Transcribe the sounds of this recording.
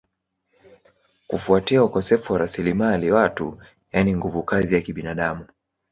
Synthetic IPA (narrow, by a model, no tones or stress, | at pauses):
kufuatiaukɔsɛfuwaɾasilimaliwatṵ | janiŋɡuvukazijakiɓinaɗamu